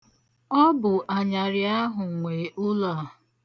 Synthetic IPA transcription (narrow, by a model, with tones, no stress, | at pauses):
ɔ˦bʊ˨ʔa˨ɲa˨ɾɪ˨a˦ɦʊ˨ŋʷe˨ʔʊ˦la˦˨